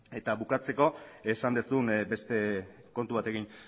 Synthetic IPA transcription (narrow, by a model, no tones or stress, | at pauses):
e̞t̪aβukat͡se̞ko̞e̞sand̪esunbe̞st̪e̞ko̞nt̪uβ̞at̪e̞ɣin